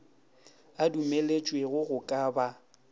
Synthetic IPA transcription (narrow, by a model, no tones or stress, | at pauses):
adumelet͡ʃʼweɣʊɣʊkʼaːba